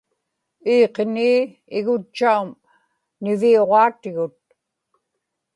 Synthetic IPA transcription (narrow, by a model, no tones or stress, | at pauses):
iːqeniː | ɪɣʊt͡ʃt͡ʃːaum | nɪvioʁɑːt̪ɪɣʊt̪̚